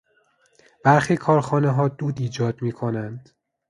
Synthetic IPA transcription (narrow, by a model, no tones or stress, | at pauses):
b̥æɾxiːkʰɒːɾxɒːneɦɒːd̪uːd̪iːd͡ʒɒːd̪miːkʰo̞nænd̪̥